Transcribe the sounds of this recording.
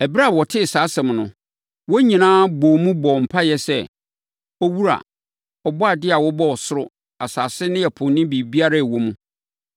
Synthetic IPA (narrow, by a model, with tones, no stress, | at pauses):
ɛ˨bɾa˦˨wɔ˨tʰɪ˦˨saː˨˦sɛ̃˨mnʊ̰̃˨ | wɔ˦ɲĩ˨nãː˦bo˨mũ˦bɔ˨m̩˨pʰa˦jɛ˦sɛ˦ | ɔ˦wu˦ɾa̰˨ | ɔ˨bɔ˦a˨dɪ˦a˨wɔ˦bɔ˦ɔ˨sʊ˦ɾʊ˦ | a˨saː˨sɪ˦nɪ̃˦jɛ˨pʰʊ̃˨nːɪ̃˦bi˨bi˦a˦ɾa˦˨wo˦mũ˦